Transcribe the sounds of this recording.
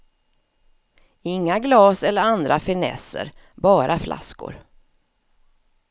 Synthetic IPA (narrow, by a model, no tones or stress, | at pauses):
ɪŋːaɡlɑːsɛlːəɾand̪ɾafɪnɛ̰sə̰ɾ | bɑːɾʔaflʔa̰skʊ̰ɾ